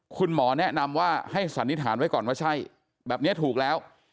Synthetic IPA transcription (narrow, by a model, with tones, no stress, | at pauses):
kʰu˧nmɔː˩˦nɛ˦˥˩na˧mwaː˥˩ha˥˩jsa˩˦nːi˦˥t̪ʰːaː˩˦nwa˦˥jkɔː˨˩nwaː˥˩t͡ɕʰa˥˩j | bɛː˨˩p̚ni˦˥ɐt̪ʰuː˨˩k̚lɛː˦˥w